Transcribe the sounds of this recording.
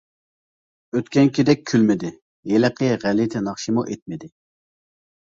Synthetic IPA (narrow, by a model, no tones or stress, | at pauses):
øt̪kʲʰɛnkʲʰid̪ɛk̚ʲʰːylmɪd̪ɪ | jeləqʰəʁælɪt̪ʰɪnɑχʃimuʔet̪̚mɪd̪ɪ